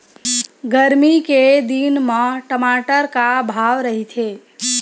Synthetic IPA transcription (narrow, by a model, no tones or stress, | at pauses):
ɡəɾmiked̪inməʈəmaʈəɾkabʱaʋɾəɦit̪ʰe